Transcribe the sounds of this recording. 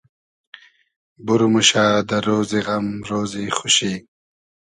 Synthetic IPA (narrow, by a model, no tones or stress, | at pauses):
buɾumuʃaːd̪əɾoːziɣɐmɾoːzixʊɕi